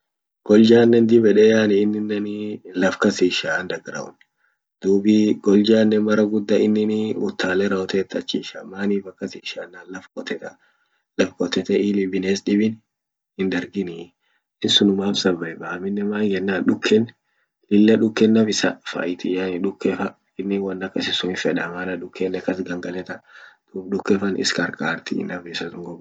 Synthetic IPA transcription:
ɡ̥ɔld͡ʒaːnːɛnd̪ɪbɛᶑɛjaːnɪːnːɪnːɐnilɐfkɐsiːʃand̪ɐɡɾɐ̰ʔʊ̰n | d̪̥uːbɪɡ̥ɔld͡ʒaːnːɛmɐɾɐɡʊd̪ːɐɪnːɪnɪʊt̪ːaːlɛɾɐɔt̪ɛːt̪ːɐt͡ʃːiːʃa̰maːniːfɐkːɐsiːʃanːaːnlɐfkʼɔt̪ɛt̪ɐ | lɐfkʼɔt̪ɛt̪ɛʔiːlɪbɪneːsᶑɪbɪn | hɪnd̪ɐɾɡɪni | ɪnsʊnʊmaːfsɐbːɐɛbɐɐmɪnːɛmaːŋɡɛnːaːnᶑʊkʰːɛn | lɪlːɐᶑʊkːɛnːɐfɪsɐ̰fɐ̰ʔɪt̪ɪjanɪᶑʊkːɛfɐ | ɪnːɪwɐnːɐkːɐsɪsʊɪfɛᶑɐmaːnɐᶑʊkːenːɛkːɐsɡɐŋɡɐlɛt̪ɐd̪̥uːfᶑʊkːɛfɐnɪ̰skɐɾkʼaːɾt̪ɪ̰nɐfɪsɐt̪ʊŋɡɔb

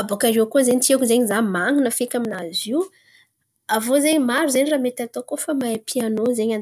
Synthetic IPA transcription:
abokaɾeakozeɲit̪iakzeɲizamaŋinəfekʲaminaziw | avozeɲimaɾuzeɲiraːmet̪at̪okofamaepʰianozeɲan

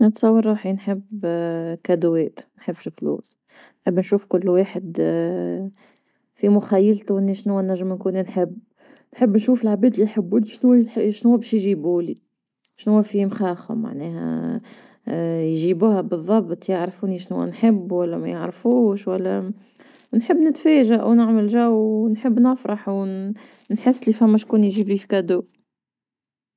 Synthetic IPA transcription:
nət̪sˤɑwːɑɾˤɾˤuːħinħɪbːkæd̪wɛːt̪nħəbːʃflṵːs | nħɪbːnʃuːfkʊlːwaːħɪd̪ | fimʊxæjːəlt̪uʔɪnːiʃnʊwːænːæʒːəmnkuːninħɪbː | nħəbːnʃuːfɪlʕabiːd̪lːijħabːuːliʃnʊwːħʃnʊwːæbɛːʃjʒiːbuːli | ʃnʊwːæfimxɑːxʊ̰mːa̰ʕnɛːɦɛ̰ | jʒiːbuːhɛbɨðˤːɑbt̪ˤjəʕɾfuːniʃnʊwːæ̰nħɪbːwælːæmæjəʕɾfuːʃwælːæ | nħəbːnɪt̪fæːʒaʔwnɪʕməlʒæwnħəbːnɪfɾˤɑħw | nħɪsːlifæmːæʃkuːnjʒiːblifi̥kæd̪uː

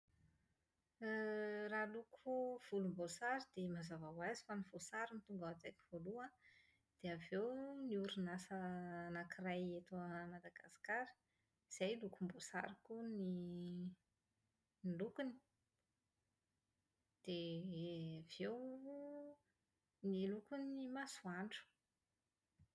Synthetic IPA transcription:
ralukʰuv̥ulumbosaɾid̪̥emazavawazi̥fanivosaɾinit̪uŋɡaat̪aki̥v̥oluə | d̪̥eavewniuɾinasənakirajet̪umad̪aɡasi̥kaɾi̥ | z̥ajlukumbosa̰ɾikuni | nlukuni̥ | d̪̥e | avew | nilukuniimasuaɳɖ͡ʐu̥

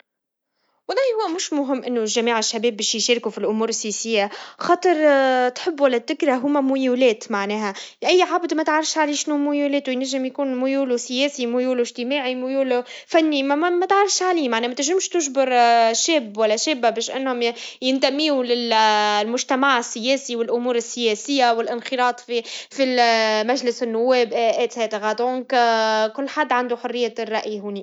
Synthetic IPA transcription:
wɑlˤɑːjhʊwːæmʊʃmʊɦɪmːʔɪnːʊlʒæmiːʕɪʃːæbɛːbːɛːʃjʃæːɾkufilʔʊmuːɾɪsːijɛsɪjːaxɑːt̪ˤɨɾˤt̪ħɪbːwalːæd̪ːɪkɾaɦʊmæmʊjuːlɛːt̪maʕnɛːɦæʔæjːʕabd̪mæt̪ʕɾˤɑfʃʕaliːʃnumʊjulɛːt̪wɪjnæʒːɪmjkuːnmʊjuːlusɪjɛːsimʊjuːlɪʒt̪ɪmaːʕimʊjuːlfænːimmæt̪ʕɑɾˤɑfʃʕaliːmaʕnɛːmæt̪ɪʒɪmʃt̪ʊʒbɪɾʃɛːbwælːæʃɛːbːabɛːʃʔɪnːhʊmjɪnt̪æmːiːwlɪllmʊʒt̪æmaʕɪsːɪjɛːsiwɪlʔʊmuːɾɪsːɪjɛːsɪjːawɪlʔɪnxɪɾɑːt̪ˤfifimæʒlɪsɪnːʊwːɛːbʔʔæːt̪hɛːt̪ɪɣæd̪õːŋkkʊlːħad̪ːʕand̪uħʊrːɪjːarˤːɑʔjiɦuːni

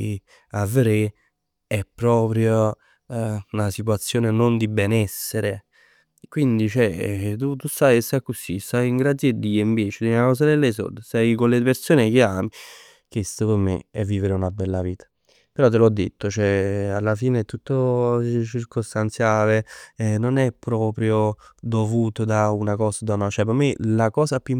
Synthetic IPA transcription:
avːeɾe | ɛpːɾɔːpɾjo | unasit̪wat̪sːjoːnenond̪ibɛnɛsːeɾe | kwind̪it͡ʃɛt̪̬ut̪usajest̪ajkːosist̪ajiŋɡɾad̪jed̪ːiːoiɱveːt͡ʃed̪inakɔːs̬ad̪elːes̬o̰d̪esajkonlepeɾsoːnek̟eaːmi | kest̪opemḛɛ̰vːiːveɾeunabːɛlːaviːt̪ʰḁ | peɾɔt̪̬ːelɔd̪ːḛt̪ʰːot͡ʃɛalːafiːnet̪ːut̪ːot͡ʃirkost̪ant̪sjaːlenonɛpːɾɔːpɾjod̪ovuːt̪od̪aunakɔːsad̪aunat͡ʃɛp̬ːamelakɔːzapu

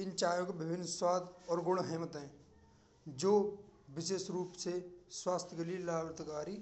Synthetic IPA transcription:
ɪnt͡ʃaːjõkebɪbʱɪnːswaːd̪ɔːɾɡʊɽ̃ɦɛːmət̪ɦɛ̃ː | d͡ʒoːbɪʃeːsɾuːpseswaːst̪ʰjəɡəliːlaːbɾət̪kaːɾi

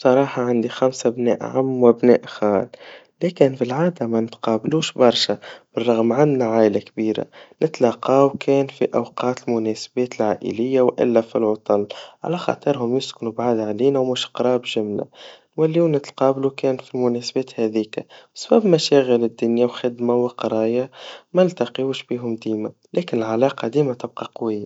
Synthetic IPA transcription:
bsˤɑɾˤɑːħɑʕand̪ixæmsabnɛ̰ːʔʕamːwɪbnɛ̰ːʔxaːl | lɛːkɪnfilʕaːd̪amænɪt̪qɑːbluːʃbɑɾˤʃab̥ərˤːɑɣmʕannaʕaːjlakbiːɾa̰nɪt̪lɑːqɑːwkʰɛːnfiʔawqɑːt̪lmʊnɛːsbɛːt̪lʕaːʔə̰lɪjːawʔɪ̰lːæfilʕɑt̪ˤɑlʕa̰læxɑ̰t̪ˤɨɾɦʊmjʊsknubʕaːd̪ʕaliːnawmuːʃqɾˤɑːbʒɪmla̰ | wælːiuːnɪt̪qɑːblukɛːnfilmʊnɛːsbɛːt̪hæðiːkabsbæbmæʃæːɣəlɪd̪ːʊnjawxɪd̪mawɪqɑɾˤɑːjamælt̪ɑqjuːʃbiːɦʊmd̪iːma | læːkɪnɪlʕalɑːqɑd̪iːmat̪ɪb̚qɑqwɪjːa

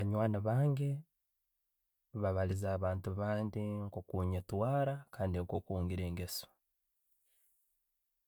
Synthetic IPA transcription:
βaɲwaːnaβaːŋɡe | βaβalizaːβaːntuβaːndiŋkokuɲetwaːɾakaːndiŋkokuːŋɡiɾe̞ːŋɡeso̥

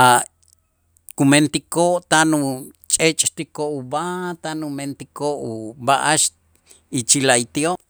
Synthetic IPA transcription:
a | kument̪ikoʔt̪anut͡ʃʼet͡ʃʼt̪ikoʔubat̪anument̪ikoʔubaʔaʃ | it͡ʃilait̪ioʔ

